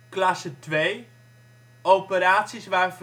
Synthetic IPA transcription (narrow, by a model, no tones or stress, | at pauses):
klɑsətʋej | owpəɾaːtsisʋaːrf